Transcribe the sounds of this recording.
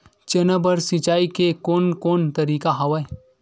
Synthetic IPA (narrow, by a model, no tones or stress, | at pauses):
t͡ʃɐnəbəɾsɪt͡ʃaːikekoːnkoːnt̪ɐɾiːkaɦɐwɐe